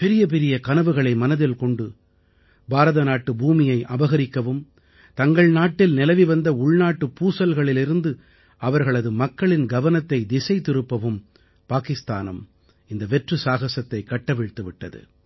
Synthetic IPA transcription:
pɛɾɪjɐp̬ɛɾɪjɐkɐnɐʋɯɣɐɭɐɪmɐnɐðɪlkɔɳɖɯ | baːɾɐðɐnaːʈːɯbuːmɪjɐɪʔɐbɐɣɐɾɪkːɐʋɯm | t̪ɐŋɡɐɭnaːʈːɪlnɪlɐʋiʋɐnd̪ɐʊɭnaːʈːɯpːuːsɐlɣɐɭɪlɪɾɯnd̪ɯ | ɐʋɐɾɣɐɭɐðɯmɐkːɐɭɪnɡɐʋɐnɐt̪ːɐɪd̪ɪsɐɪt̪ːɪɾɯpːɐʋɯm | paːkɪst̪a̰ːnɐ̰m | ɪnd̪ɐʋɛʈrɯsaːɣɐsɐt̪ːɐɪkːɐʈːɐʋɪɻt̪ːɯʋɪʈːɐ̰ðɯ̰

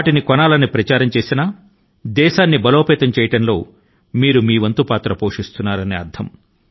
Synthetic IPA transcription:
aːʈinikɔnaːlɐnːipɾɐt͡ʃaːɾɐmt͡ʃe̞ːsinɐ | d̪ɛːʃaːnːibɐloːpɛːt̪ɐmt͡ʃɛːjɐʈɐnlo̞ː | miːɾumiːʋɐnt̪upaːt̪ɾɐpo̞ːʂist̪unːaːɾɐneːɐɾd̪ʱɐm

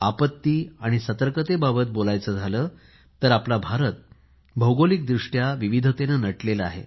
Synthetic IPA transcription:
apət̪ːiːaɽ̃isət̪əɾkət̪ebabət̪̚bolajt͡səːd͡zʱaləː | t̪əɾaplabʱaɾət̪̚ | bʱəwɡolik̚d̪ɾuʂʈjaʋiʋid̪ʱət̪enənəʈleləa̰ɦḛ

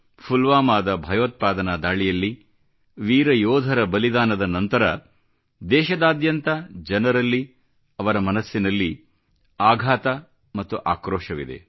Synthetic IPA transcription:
pʰulʋaːmaːd̪ɐbʱɐjoːt̪̚paːd̪ɐnaːd̪aːɭijɐlːi | ʋiːɾɐjɔːd̪ʱɐɾɐbɐlid̪aːnɐd̪ɐnɐnt̪ɐɾɐ | d̪ɛːʃɐd̪aːd̪jɐnt̪ɐd͡ʒɐnɐɾɐlːi | ɐʋɐɾɐmɐnɐsːinɐlːi | aːɡʱaːt̪ɐ | mɐt̪ːuʔaːkɾɔːʃɐʋḭd̪e̞̰

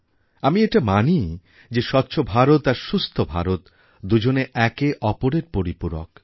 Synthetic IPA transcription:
amieʈamani | d͡ʑeʃɔtːɕʰobʱaɾot̪aɾʃust̪ʰobʱa̰ɾot̪ | d̪ud͡ʑoneʔɛkeʔɔpoɾeɾpoɾipuɾo̰k

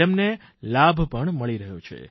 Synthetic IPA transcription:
emne | labʱpəɳməɭiɾəɦot͡ʃʰḛ

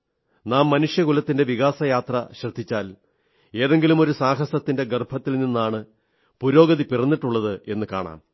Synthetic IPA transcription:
naːmːɐnuʂjɐɣulɐt̪ːinde̞ʋiɣaːsɐjaːt̪rɐɕrɐd̪ʱːit͡ɕːaːl | e̞ːðe̞ŋɡilumo̞ɾusaːɦɐsɐt̪ːinde̞ɡɐrbʱɐt̪ːilninːaːɳɨ | puɾo̞ːɡɐðipirɐnːiʈːuɭːɐðɨe̞nːɨka̰ːɳa̰ːm

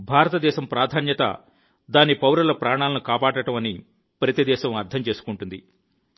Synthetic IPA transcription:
bʱaːɾɐt̪ɐd̪ɛːʃɐmpɾaːd̪ʱaːnjɐt̪ɐ̰ | d̪aːnipɐwɾɐlɐpɾaːɳaːlɐnukaːpaːʈɐʈɐmɐni | pɾɐt̪id̪ɛːʃɐmɐɾt̪ʰɐmt͡ʃe̞ːsu̥kuɳʈund̪ḭ

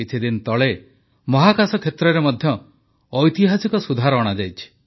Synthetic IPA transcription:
it͡ʃʰid̪int̪ɔɭe | mɔɦakasɔkʰet̪ɾɔɾemɔd̪ʱjɔː | jt̪iɦasikɔsud̪ʱaɾɔːɽ̃ad͡ʒajt͡ʃʰi̥

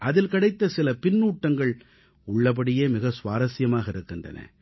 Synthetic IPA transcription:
ʔɐðɪlkɐɽɐɪt̪ːɐsɪlɐpɪnːuːʈːɐŋɡɐɭ | ʊɭːɐp̬ɐɽɪjeːmɪɣɐsʊʋaːɾɐsɪjɐmaːɣɐɪɾɯkːɯndrɐ̰nɐ̰

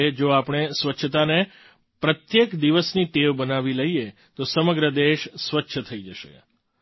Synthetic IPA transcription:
ed͡ʒoapɳ̃esʋətːʃʰət̪ane | pɾət̪jekd̪iʋəsniʈeʋbənaʋiləie | t̪osəməɡɾəd̪eʃsʋətːʃʰət̪ʰəid͡ʒəʃḛ

